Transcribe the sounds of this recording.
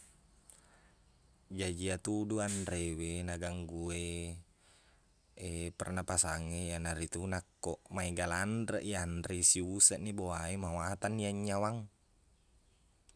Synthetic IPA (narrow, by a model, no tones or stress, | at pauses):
d͡ʒad͡ʒiat̪uduanɾewenaɡaŋɡue | epɛrnapasaŋejanaɾit̪unakːɔʔmaiɡalandɾəʔianrisiusəʔniboaemawat̪aniaɲːawaŋ